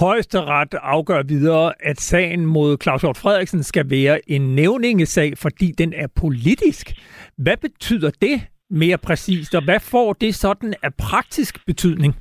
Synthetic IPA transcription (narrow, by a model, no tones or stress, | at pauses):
hɒ̽ɪ̰sd̥əʁad̥ɑ̈ʊɡ̥ɶɐ̰ʋið̞ˠɐːʔæd̥sɛ̰ɪn̩mo̝ð̞̰ˠkʰlɑ̈ʊsjɒ̰ːd̥fʁɛð̞̰ˠiɡ̥sən̩sɡ̥æʋɛːɐʔe̝nːeʊne̝ŋəsɛ̰ɪfɒ̽d̥ḭːd̥enæɐpʰo̝lid̥isɡ̥ʋæb̥e̝t͡sʰy̰ð̰ˠɐd̥e̝ | me̝ːɐpʰʁɛsḭːsd̥ɒ̽ʋæfɒ̰ːd̥e̝sɒ̽d̥n̩æpʰʁɑ̈ɡ̥̚d̥isɡ̥b̥e̝t͡sʰyð̰ˠne̝ŋ